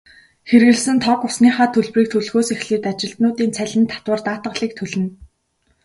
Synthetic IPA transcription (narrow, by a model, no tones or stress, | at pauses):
xerɣɘ̆ɮsɘ̆nt̪ʰɔkʊsniːχaːt̪ʰɵɮpriːk̚t̪ʰɵɮɣoːsexɮiːt̪at͡ɕɪ̆ɬt̪nʊːt̪iːnt͡sʰæɮʲɪ̆nt̪ʰḁt̪wə̆rt̪aːt̪ə̆ɮiːk̚t̪ʰɵɮɘ̆n